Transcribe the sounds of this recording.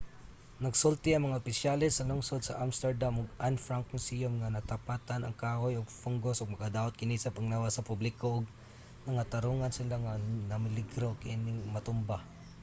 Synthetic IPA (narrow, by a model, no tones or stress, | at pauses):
nɐɡsʊlt̪ɪɐŋmɐŋaʔʊpɪsjalɛsːɐlʊŋsod̪̚sɐʔamst̪ɛɹd̪amʊɡanfɾaŋkʊnsijomŋanɐt̪apat̪anɐŋkaːhojʊɡfʊŋɡosʊɡ̚mɐɡad̪aːʊt̪̚kɪnɪsɐpaŋnawasɐpʊblɪkoʔʊɡ̚ | nɐŋat̪aɾuŋansɪlaŋanɐmɪlɪɡɾokaʔinɪŋmɐt̪ʊmba